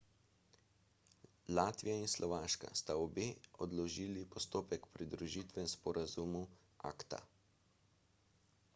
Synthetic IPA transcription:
laːt̪ʋijainslʔɔʋaːʃka̰st̪aɔbeːɔd̪lɔʒiːlipɔst̪oːpɛkpɾid̪ɾuʒiːt̪ʋɛspɔɾazumu | a̰ːkt̪a̰

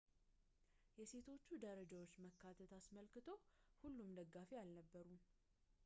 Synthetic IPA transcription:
jɛse̞t̪ʰo̞t͡ʃːud̪əɾəd͡ʒawo̞t͡ʃːməkːat̪ʰət̪asməlkɨt̪ʰo̞hulːumd̪əɡːafejalnəbːəɾum

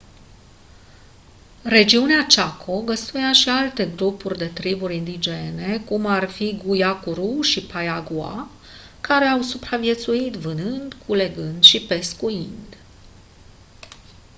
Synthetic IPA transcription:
re̞d͡ʒiuneat͡ʃakʰo̞ɡəst̪ujaʃialt̪e̞ɡɾupurʲd̪e̞t̪ɾibuɾʲind̪id͡ʒe̞ne̞kumarfiɡujakuɾuʃipajaɡua̰ | kaɾe̞awsupɾavie̞t̪suit̪vɨnɨnd̪kʰule̞ɡɨnd̪ʃipe̞skuind̪

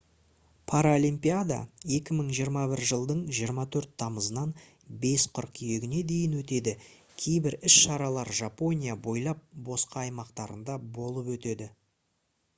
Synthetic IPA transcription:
pʰaɾaolʲimpʲijad̪a̰je̞kʲɪməɴʒijəɾmɑbɪɾʒəlˠd̪əɴʒijəɾmɑt̪ʰɵɾt̪ʰːɑməzənɑn | be̞sqʰʊɾqije̞ɡʲɪne̞d̪e̞jɪnwɵt̪e̞d̪ɪ | kʲʰe̞jbɪɾɪsʃɑɾɑlˠɑɾʒapo̞nʲijabo̞jlˠɑp̚bo̞sqɑːjmɑqt̪ɑɾənd̪ɑbo̞lˠəpwɵt̪e̞d̪ɪ

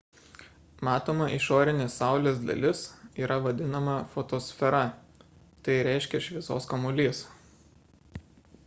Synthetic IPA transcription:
mɑːt̪oːmɐʔɪʃoːɾʲɪnʲeːsːɑˑʊlʲeːs̬d̪ɐ̰lʲɪsiːɾʔɐʋɐd̪ʲɪnɐmɐfot̪oːsʲfʲɛɾɐ | t̪ɐɪɾʲɛˑɪʃʲkʲɛʃʲʋʲiɪɛso̰ːskɐmʊlʲiːs

